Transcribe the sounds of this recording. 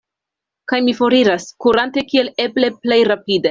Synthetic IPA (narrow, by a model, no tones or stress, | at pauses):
kajmifo̞ɾiɾaskuɾante̞kie̞le̞ble̞ple̞jɾapide̞